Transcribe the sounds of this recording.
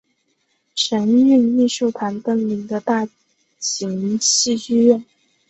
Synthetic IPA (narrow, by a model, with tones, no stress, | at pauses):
ʂə˧˥ny˥˧ni˥˧ʂu˥˩ʊt̪ʰa˧˥nt̪ə˥ŋli˧˥ŋd̪ə˧t̪a˥˩ | t͡ɕʰi˧˥ŋɕi˥˧y˥˧ɥɛ˥˩n